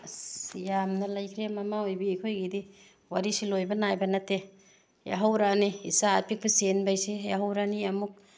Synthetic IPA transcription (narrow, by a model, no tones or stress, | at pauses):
jamnɐlajkʰɾemamaojbiːjkʰojɡidi | waɾisilojbɐnajbɐnɐte | ja̰ɦawɾaniisaːpik̚bɐsenbajsijaɦawɾaniɐmuk̚